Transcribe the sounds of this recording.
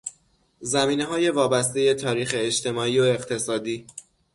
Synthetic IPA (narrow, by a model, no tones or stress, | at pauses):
zæmiːne̞ɦɒːje̞vɒːbæst̪e̞je̞t̪ʰɒːɾiːxeːʃt̪ʰe̞mɒːiːoe̞ɣt̪ʰe̞sɒːd̪iː